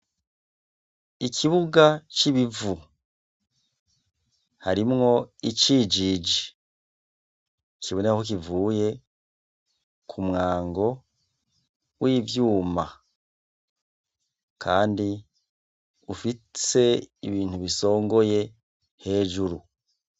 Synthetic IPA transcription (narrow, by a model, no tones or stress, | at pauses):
ikʰiβuɡat͡ʃiβivu | haɾimŋo̞iciːd͡ʒid͡ʒi | kiβo̞nehok̬ivuːje̞ | kʰumŋaːŋɡo̞ | wʔiːvjuːma | kʰaːndi | ufise̞iβiːn̥uβiso̞ːŋɡo̞je̞ | he̞ːʒuɾu